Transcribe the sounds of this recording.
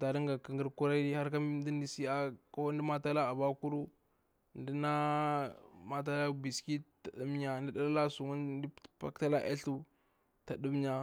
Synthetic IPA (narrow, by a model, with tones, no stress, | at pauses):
ta˨ɾi˦ŋɡa˨kə˨ŋɡə˦ɾku˦ɾa˦ɾi˦ha˦ɾka˦mi˦n˦di˦ndi˦si˦a˦ko˦n˦di˦ma˦ta˦la˦a˨ba˦ku˦ɾu˦˨ | ndi˦na˦ | ma˦t̬a˦la˦bi˨ski˦ta˨du˦m˦ɲa˨di˦da˦la˦la˦su˨mu˦di˦pa̰˦kta˦la˦ʔḛ˦ɬu˦ | ta˨du˦m˦ɲa˨